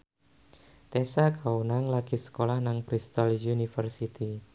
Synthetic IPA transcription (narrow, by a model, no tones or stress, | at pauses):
t̪ɛsakaunaŋlaɡ̥isə̥kolahnaŋpɾist̪aljunifərsit̪i